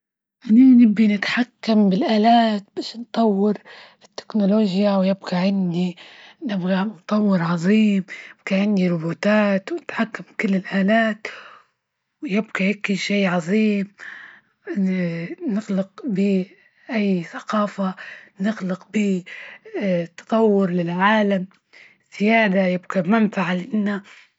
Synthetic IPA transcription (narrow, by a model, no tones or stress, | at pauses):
ʔananɪbːinɪt̪ħakːambɪlʔaːlaːt̪̚baʃnt̪ˤɑwːɪɾ | ɪt̪ːɪ̥knoloːʒjawjɪbɡaʕɪnd̪inɪbɡant̪ˤɑwːɪɾʕɑðˤiːmjɪb̥ɡaʕɪndiɾˤʊbuːt̪aːt̪wnɪt̪ħakːamkɪlːɪlʔaːlaːt̪ | wjɪb̚kajakːiʃiːʕɑðˤiːm | nɪɣlɪqbiː | ʔajːθḁqaːfanɪɣlɪqbiː | t̪ːɑ̥t̪ˤɑwːɪɾlɪlʕaːlam | z̥ɪjaːd̪ajɪb̚kamanfaʕalʔɪnːa